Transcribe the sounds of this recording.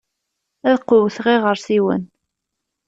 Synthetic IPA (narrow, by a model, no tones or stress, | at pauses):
æðqʊwθʁɪʁəɾsiwə̰n